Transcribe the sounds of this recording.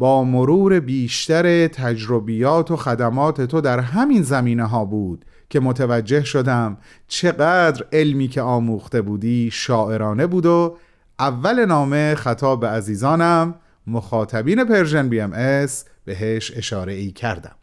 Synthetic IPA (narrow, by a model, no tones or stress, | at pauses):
bɒːmoɾuːɾe̞biːʃt̪æɾe̞t̪ʰæd͡ʒɾobijɒːt̪ʰo̞xæd̪æmɒːt̪ʰe̞t̪ʰo̞d̪æɾɦæminzæmiːneɦɒːbuːd̪̥ | cʰe̞mot̪ʰevæd͡ʒːe̞hʃo̞d̪æm | t͡ʃʰe̞ɢæːd̪ɾe̞lmiːcʰeɒːmuːxt̪e̞buːd̪iːʃɒːʔe̞ɾɒːne̞buːd̪o | ʔævːæle̞nɒːme̞xæt̪ʰɒːbbeæziːzɒːnæmː | oxɒːt̪ʰæbiːne̞pe̞ɾʒenbiemʔes | b̥e̞ɦeʃe̞ʃɒːɾe̞iːcʰæɾd̪æ̰m